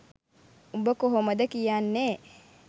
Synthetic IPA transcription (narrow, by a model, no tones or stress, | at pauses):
ubɐkoɦomɐd̪ɐkijaːnːeː